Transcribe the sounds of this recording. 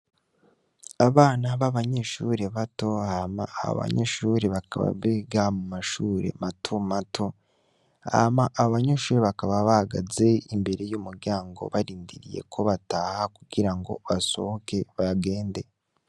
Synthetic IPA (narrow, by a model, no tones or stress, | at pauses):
aβaːnaβaβaɲe̞ʃuːɾe̞βato̞hama̰ːβo̰βa̰ɲeʃuːɾeβakaβa̰βeɡamumaʃuːɾe̞̰matʰomatʰo̞ | ha̰maʔːβaβaɲeʃuːɾeβakaβaβahaɡaze̞imbe̞ɾe̞juːmuɾɟaːŋɡo̞̰βaɾiːndiɾije̞̰kʰo̞βataːhakuɡ̥iɾaŋɡo̞̰βasohoke̞βaɡe̞ːnde̞